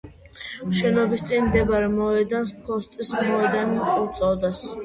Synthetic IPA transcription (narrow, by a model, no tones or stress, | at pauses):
ʃɛnɔbist̪sʼinmd̪ɛbaɾɛmɔɛd̪anspʰɔst̪ʼismɔɛd̪animχʼɔt̪sʼɔd̪as